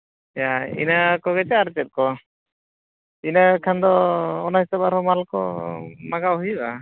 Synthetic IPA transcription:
ɛjaḭnakɔɡɛt͡ʃɛaɾt͡ʃɛt̪̚kɔ | inakʰand̪ɔːnaɦisabaɾɔmalkɔ̰maɡaʔɦujba

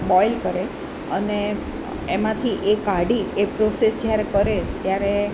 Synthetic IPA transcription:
bɔilkəɾe | əne | emãt̪ʰiʔekaɽiepɾosesd͡ʒjaɾekəɾet̪jaɾe

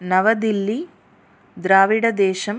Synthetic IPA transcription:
nɐʋɐd̪ilːi | d̪ɾaːʋiɽɐd̪eːʃɐm

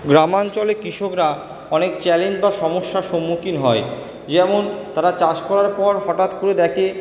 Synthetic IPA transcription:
ɡɾamant͡ɕolekɾiʃokɾa | ɔnekt͡ɕɛlend͡ʑbaʃɔmoʃːaʃomːukinɦɔe | d͡ʑɛmont̪aɾat͡ɕad͡ʑkɔɾaɾpɔɾɦɔʈat̪koɾed̪ɛkʰe

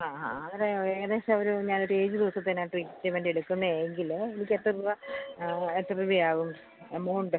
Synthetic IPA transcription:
aːaɐðɐɾeðeːsɐɐʋɐɾuɲaːno̞ɾue̞ːd͡ʑud̪iʋɐsɐt̪ːɐnaʈriːkːit͡ɕːɐʋeɳɖieɽukːunːɐeŋɡilenik̬ʲːet̪ːɨrʋɐ | et̪ːɨrʋijaːɣum | emːuːɳɖɨ

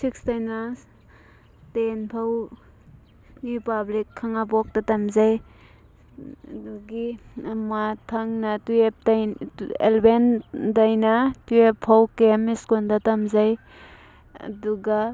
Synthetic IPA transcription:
sik̚stajna | tenpʰaw | ɾipablikʰːaŋabɔk̚tɐtɐmzaj | uɡimatʰɐŋnɐtuep̚tjḛlbendajnɐtuepʰːawkemiskondɐtɐmzaj | ɐ̰duɡa

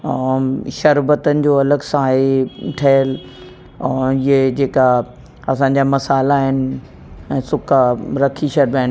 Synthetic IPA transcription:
ʃɐɾbət̪ənɪ̆d͡ʑoːɐləɡsãɦeʈʰɐjəlː | ɪɦed͡ʑeːka | ɐsãːɲ̆d͡ʑamɐsaːlaɦɪnɪ̆ | ɛ̃ːsʊkaɾɐkʰiʃɐɾbaːɦɪn

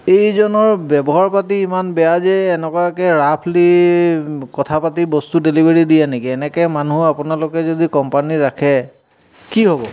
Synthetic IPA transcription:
ejzɔnɔɹbɛbɔɦaɹpatiːmanbɛjazɛːnɛkɔakɛɹapʰli | kɔtʰapatibɔstudelibʱeɹidijanekiɛnɛkɛmanuapʊnalʊkɛzodikɔmpaniɹakʰɛ | kiɦobɔ

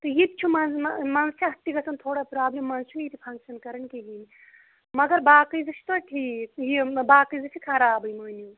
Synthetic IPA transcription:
t̪ɨɦit̪̚t͡ʃʰumɐnmɐnst͡ʃʰiɦɐt̪ːikɐsɐnt̪ʰoːɽapɾaːblʲemːɐnst͡ʃʰunit̪ipʰɐŋkʃɐnkɐɾɐnkiɦini | mɐɡɐɾbaːkɐjzɐsʰi̥t̪oʈʰiːkjibaːkɐjzɐsʰikʰɐɾaːbɨjmɐːnju

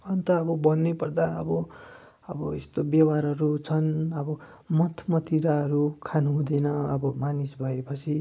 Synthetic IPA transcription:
ʌnt̪ʌʌbʌbʌnːepʌrd̪aʌ̰bʌ | ʌbʌest̪objʌwaɾʌɾut͡sʰʌnʌbʌ | mʌt̪ʰmʌt̪iɾaʌɾukʰanuɦũd̪ʌjnʌʌbʌmanisbʱʌepʌt͡sʰi

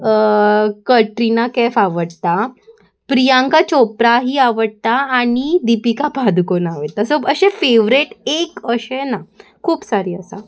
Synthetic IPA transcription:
kəʈɾinakɛfaʋəɽt̪a | pɾijãŋkat͡ɕopɾaɦiːaʋəɽt̪aːɽ̃id̪ipikapad̪konaʋət̪asoəɕefeʋɾeʈekəɕenakʰuːpsaɾiːəsa̰

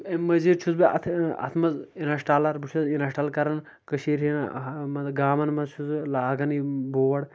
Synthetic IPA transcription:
ɐmɐziɾt͡ʃʰuzbiɐ̰t̪ʰɐ̰t̪ʰmɐzinɐʃʈaːlɐɾbit͡ʃʰɐzinɐʃʈaːlkɐɾɐn | kɐʃiːɾɦinmɐɡaːmɐnmɐzt͡ʃʰuzlaːɡɐniboːʋɐɽ

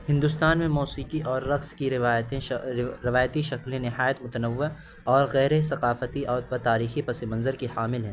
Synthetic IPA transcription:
hɪ̃nd̪ʊst̪aːnmẽmɔːsiːqiʔɔːɾːɐqskiɾɪaːjt̪ẽɾɪʋaːjət̪iʃɐklẽnɪɦaːjət̪mʊt̪ənəʋːɪ | ɔːɾɣɛːɾesɐqaːfət̪iʔɔːɾʋɐt̪aːɾiːxipɐsemɐ̃nzəɾkihaːmɪlɦɛ̃ː

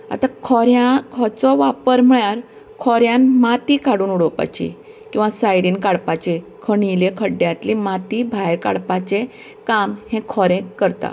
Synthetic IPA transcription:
a̰t̪akʰɔɾjãkʰɔt͡sɔʋapəɾm̤əɭjaɾ | kʰɔɾjãnmat̪ikaɽuːnuɽɔpa̰t͡ɕḭ | kĩw̃ʋasajɽiːnkaɽpat͡ɕekʰəɳilekʰəɖjat̪limat̪ibʱajka̰ɽpat͡ɕe | kamhẽkʰɔɾẽkəɾt̪a̰

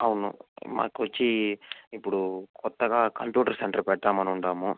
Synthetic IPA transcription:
ɐʋunṵma̰ːkiʋɐt͡ʃːiipːuɽukɔt̪ːɐɡaːkɐmpjuːʈɐɾsɛɳʈɐɾpɛʈːaːmɐnuɳɖaːmu

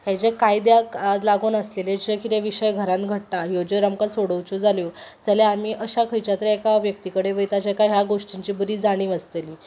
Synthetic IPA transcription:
ɦãt͡ɕakajd̪jalaɡoːnəsleled͡ʑəkit̪eʋiɕəjɡʱəɾãnt̪ɡʱəʈ̚najod͡ʑəɾəmkasoɽəwt͡ɕud͡zʱaljod͡zəleamiʔəɕakʰəjt͡ɕat̪ɾeekaʋjəkt̪ikəɽeʋəjt̪at͡ɕjakaɦjaɡoʂʈiɲt͡ɕiːbəɾiːd͡zaɽ̃ĩːʋəst̪eliː

